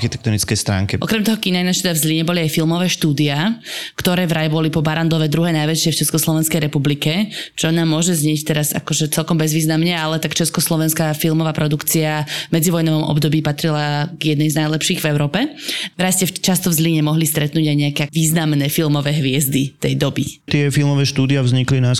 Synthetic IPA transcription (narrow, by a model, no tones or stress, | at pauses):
xit̪ɛ̥k̚t̪ɔnit͡skɛjst̪ɾa̰ːŋkɛʔɔ̰kɾɛmt̪ɔɦɔkinajnaʃt̪ɛd̪avzliɲɛbɔliajfilˠmɔʋɛːʃt̪uːd̪iakt̪ɔɾɛːvɾajbɔlipɔbaɾand̪lɔʋɛd̪ɾuɦɛːnajʋɛt͡ʃɪɛft͡ʃɛskɔslˠɔʋɛnskɛjɾɛpublikɛt͡ʃɔnaːmːʊɔʒɛzɲɪɛct̪ɛɾaza̰kɔʒɛt͡sɛlkɔmbɛzʋiːznamɲɛalɛt̪akt͡ʃɛskɔslˠɔʋɛnskafilmɔʋaːpɾɔd̪ukt͡siavmɛd͡ziʋɔjnɔʋɔmʔɔ̰bd̪ɔbiːpat̪ɾilaɡjɛd̪nɛjznajlɛpʃiːɣvɛʊɾɔːpɛvɾajscɛft͡ʃast̪ɔvzliɲɛmɔɦlist̪ɾɛt̪nuːɟajɲɛakɛʋiːznamnɛːfilmɔʋɛːɦʋɪɛzd̪it̪ɛjd̪ɔbit̪ɪɛfilmɔʋɛːʃt̪uːd̪iavzɲiklina